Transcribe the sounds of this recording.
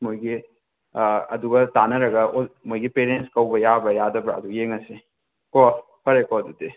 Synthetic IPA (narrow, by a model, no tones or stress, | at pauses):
mojɡi | ɐduɡɐtanɐɾɐɡɐmojɡipeɾenskɐwbɐjabɾɐjadɐbɾɐːdujeŋɐse | kɔ | pɐɾekɔdudi